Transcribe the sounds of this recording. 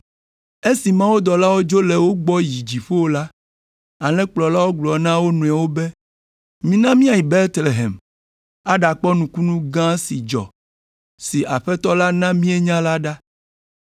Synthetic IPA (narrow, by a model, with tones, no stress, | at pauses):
e˦si˨mã˦wuo˦d̪ɔ˨la˦wo˦d͡ʒo˦le˨wo˦ɡ͡bɔ˦ji˨d͡ʑi˨ɸo˦wo˦la˦ | a˨lɛ̃˦k͡plɔ˨la˦wo˦ɡ͡blɔ˨nã˦wo˦nũ˨a˨wo˦be˦ | mĩ˦nã˦mĩ˦a˨ji˨be˦ɾt̪le˨ɦḛ˨m | a˦ɖa˨k͡pɔ˦nũ˨ku˦nũ˦ɡã˦si˨d͡ʒɔ̰˨ | si˨ʔa˨ɸɛ˦t̪ɔ˦la˦nã˦mĩ˦e˦ɲã˦la˦ɖa˦